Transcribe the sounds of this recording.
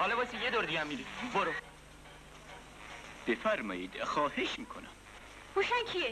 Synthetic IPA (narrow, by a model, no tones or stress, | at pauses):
hɒːlɔbɒsijed̪oɾd̪iɡæmːiɾiboɾo | b̥efæɾmɒ̰ːjiːd̪̥xɒːheʃmiːkʰonæm | huʃænkʰie